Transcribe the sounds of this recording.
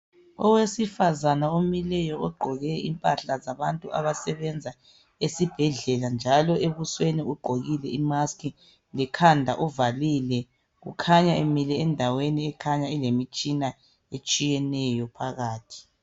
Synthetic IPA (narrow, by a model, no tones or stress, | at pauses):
ɔ̰wesifazanaomilɛjɔɔɡ͡ǃʱɔɣɛḭmpʼaɬazaβantʼuʔa̰βasɛβɛnd͡zʱa | esib̥ʱɛɮɛland͡ʒʱalɔʔeβusweniuɡ͡ǃʱoɣilɛimaskʰi | lɛkʰandʱaʔuvalilɛ | ɣṵkʰaɲaemilɛːndʱaweniɛkʰaɲailemit͡ʃʼina | et͡ʃʼijɛnɛjɔpʰaɣaːtʰi̥